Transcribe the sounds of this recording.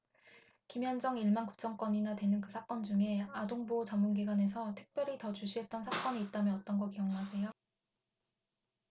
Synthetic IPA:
kimjʌnd͡ʑʌŋiɭmanku̥p̚t͡ɕ͈ʌŋk͈ʌɲinatwe̞nɯnkɯsʰak͈ʌnd͡ʑuŋe̞adoŋbot͡ɕamːunɡiɡwane̞sʰʌtʰɯ̥k̚p͈jʌɾitʌt͡ɕuɕʰiɦe̞t̚t͈ʌnsʰak͈ʌɲiit̚t͈amjʌʌt͈ʌnɡʌkeʌŋoɦasʰe̞jo

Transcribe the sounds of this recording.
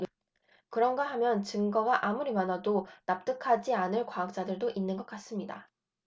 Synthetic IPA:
kɯɾʌnɡaɦamjʌnt͡ɕɯŋɡʌɡaʔamuɾimanadonap̚t͈ɯkʰad͡ʑianɯɭkwaak̚t͡ɕ͈adɯɭdoʔinːɯnɡʌk͈as͈ɯmɲida̰

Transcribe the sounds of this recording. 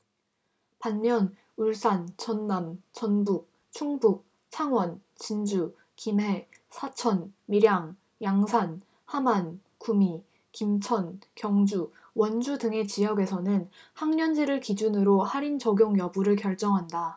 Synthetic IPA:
panmjʌn | uɭs͈ant͡ɕʌnːamt͡ɕʌnbuk̚ | t͡ɕʰuŋbuk̚ | t͡ɕʰaŋwʌnt͡ɕind͡ʑu | kimɦe̞ | sʰat͡ɕʰʌnmiɾjaŋ | jaŋsʰan | haman | kumi | kimt͡ɕʰʌnkjʌŋd͡ʑu | wʌnd͡ʑudɯŋe̞t͡ɕijʌɡe̞sʰʌnɯnhaŋɲʌnd͡ʑiɾɯɭkid͡ʑunɯɾohaɾint͡ɕʌɡjoŋjʌbuɾɯɭkjʌɭt͡ɕ͈ʌŋɦanda

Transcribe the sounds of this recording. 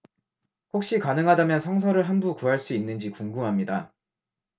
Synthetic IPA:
hok̚ɕ͈ikanɯŋɦadamjʌnsʰʌŋsʰʌɾɯɭɦanbukuɦaɭs͈uinːɯnd͡ʑikuŋɡumɦamɲida

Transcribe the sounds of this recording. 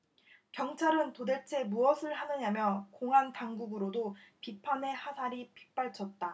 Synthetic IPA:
kjʌŋt͡ɕʰaɾɯntode̞ɭt͡ɕʰe̞muʌsʰɯɭhanɯɲamjʌkoŋɦantaŋɡuɡɯɾodopipʰane̞hasʰaɾipi̥p͈aɭt͡ɕʰʌt̚t͈a

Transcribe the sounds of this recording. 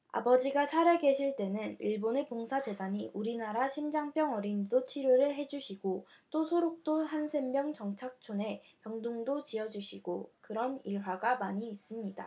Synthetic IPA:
a̰bʌd͡ʑiɡasʰaɾeɡe̞ɕʰiɭt͈e̞nɯniɭbone̞poŋsʰad͡ʑe̞daɲiʔuɾinaɾaɕʰimd͡ʑaŋp͈ʰjʌŋʌɾindot͡ɕʰiɾjoɾɯɭɦe̞d͡ʑuɕʰiɡot͈osʰoɾok̚t͈ohansʰe̞mmjʌŋt͡ɕʌŋt͡ɕʰak̚t͡ɕʰone̞ | pjʌŋduŋdot͡ɕiʌd͡ʑuɕʰiɡ̥okɯɾʌniɭɦwaɡamaɲiːs͈ɯmɲida

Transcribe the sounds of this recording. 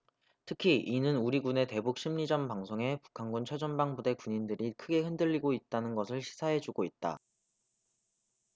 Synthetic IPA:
tʰɯkʰiʔinɯnuɾiɡune̞te̞buk̚ɕ͈ʰimɲid͡ʑʌnpaŋsʰoŋe̞pu̥kʰanɡunt͡ɕʰʌd͡ʑʌnbaŋbude̞kuɲindɯɾikʰɯɡe̞hɯndɯʎːiɡoit̚t͈anɯnɡʌsʰɯɭɕʰi̥sʰaɦe̞d͡ʑuɡoit̚t͈a̰

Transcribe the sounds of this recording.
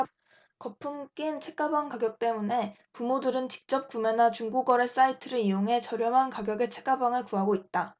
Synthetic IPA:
kʌpʰumk͈int͡ɕʰe̞k͈abaŋkaɡjʌk̚t͈e̞mune̞ | pumodɯɾɯnt͡ɕi̥k̚t͡ɕ͈ʌp̚k͈umenat͡ɕuŋɡuɡʌɾe̞s͈aitʰɯɾɯijoŋɦe̞t͡ɕʌɾjʌmɦankaɡjʌɡe̞t͡ɕʰe̞̥k͈abaŋɯɭkuɦaɡoit̚t͈a

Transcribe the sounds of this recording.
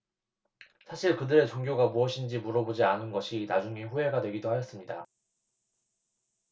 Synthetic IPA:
sʰaɕʰiɭkɯdɯɾe̞t͡ɕoŋɡjoɡamuʌɕʰind͡ʑimuɾʌbod͡ʑianɯnɡʌɕʰinad͡ʑuŋiɸuɦe̞ɡadwe̞ɡidohajʌs͈ɯmɲida̰

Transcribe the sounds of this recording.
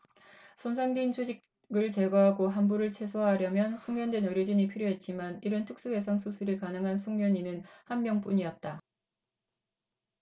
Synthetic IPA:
sʰonsʰaŋdiint͡ɕʰud͡ʑik | ɡɯɭt͡ɕe̞ɡʌɦaɡoɦanbuɾɯɭt͡ɕʰwesʰoɦaɾjʌmjʌnsʰuŋmjʌndwenɯɾjʌd͡ʑiɲipʰiɾjoɦe̞t̚t͡ɕ͈imaniɾɯntʰɯk̚s͈uɡe̞sʰaŋsʰusʰuɾikanɯŋɦansʰuŋmjʌɲinɯnhanmjʌŋp͈uɲiʌt̚t͈a

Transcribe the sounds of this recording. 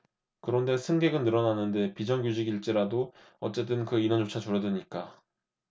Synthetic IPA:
kɯɾʌnde̞sʰɯŋɡe̞ɡɯnːɯɾʌnanːɯnde̞pid͡ʑʌŋɡjud͡ʑiɡiɭt͡ɕ͈iɾado | ʌ̰t͡ɕ͈e̞t͈ɯnkɯinʌnt͡ɕot͡ɕʰat͡ɕuɾʌdweɲik͈a

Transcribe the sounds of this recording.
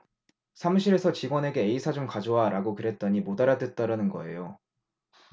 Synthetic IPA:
sʰamɕʰiɾe̞sʰʌt͡ɕiɡwʌne̞ɡe̞ːisʰad͡ʑomkad͡ʑoaɾaɡokɯɾe̞t̚t͈ʌɲimodaɾadɯt̚t͈aɾanɯnɡʌe̞jo

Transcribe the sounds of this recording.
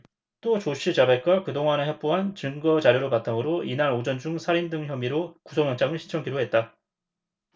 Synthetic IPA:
t͈ot͡ɕoɕ͈ʰit͡ɕabek̚k͈akɯdoŋanɯɦek̚p͈oɦant͡ɕɯŋɡʌt͡ɕaɾjoɾopatʰaŋɯɾoinaɾod͡ʑʌnd͡ʑuŋsʰaɾindɯŋçjʌmiɾokusʰoŋjʌnt͡ɕ͈amɯɭɕʰi̥t͡ɕʰʌŋɡiɾoɦe̞t̚t͈a

